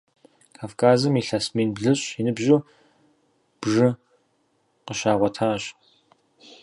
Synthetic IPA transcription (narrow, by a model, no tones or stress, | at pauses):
kʰaːfkʰaːzɨmiɬɐsmiːnbɮɨɕʼinɨbʑo | b̥ʐɨ | qəɕaːʁʷɔtʰaːɕ